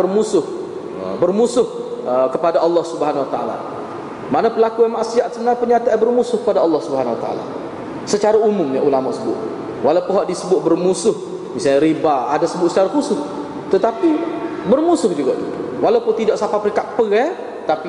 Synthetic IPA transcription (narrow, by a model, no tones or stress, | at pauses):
ərmusʊh | bərmusʊhkəpadaɑlˠːɑhsubəɦanwat̪aa̰la̰ | manapəlakuamaʔsiat̪səmənapəɲat̪abərmusʊhkəpadaɑlːɑhsubəɦanwat̪aa̰la̰ | sət͡ʃaɾaumʊmjaʔulamaʔsəbʊ̰t̪̚ | walawpʊnɦaʔdisəbʊt̪̚bərmusʊh | misalɲaɾibaa̰dasəbʊt̪sət͡ʃaɾaxusʊs | t̪ət̪apibərmusʊhd͡ʒuɡɔʔit̪uwalawpʊnt̪idɔʔsapapəɾiŋkat̪̚pəɣɛ | t̪api